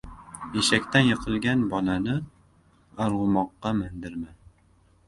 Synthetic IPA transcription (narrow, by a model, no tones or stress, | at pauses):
eʃakʲt̪anjɨqʰɨlˠɡʲanbɒnanɪ | aɾʁʊmɒqːɑmand̪ɪɾman